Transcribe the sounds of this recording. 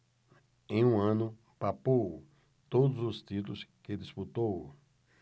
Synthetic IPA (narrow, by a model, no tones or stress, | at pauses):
ẽj̃ũɐ̃nʊ | papow | t̪od̪ʊzʊst̪it̪ʊlʊsked̪isput̪ow